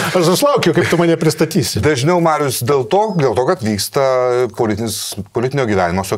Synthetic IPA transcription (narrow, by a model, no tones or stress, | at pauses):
ɐʃʊʃlˠɐʊkʲɛʊkɐɪpt̪ʊmɐːnʲɛpʲɾʲɪst̪ɐt̪ʲiːsʲɪd̪ɐʒʲnʲɛʊmɑːɾʲjʊsd̪ʲeːlˠt̪oːd̪ʲeːlˠt̪oːkɐt̪ʋʲiːkst̪ɐpoːlʲɪt̪ʲɪnʲɪspoːlʲɪt̪ʲɪnʲoːɡʲiːʋʲæːnʲɪmoːsʲo